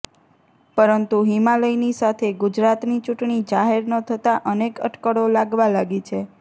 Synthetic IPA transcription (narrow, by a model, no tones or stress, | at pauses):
pəɾənt̪uɦimaləinisat̪ʰeɡʊd͡ʒɾat̪nit͡ʃuʈɳid͡ʒaɦeɾnət̪ʰət̪aʔənekə̰ʈkəɽolaɡʋalaɡet͡ʃʰe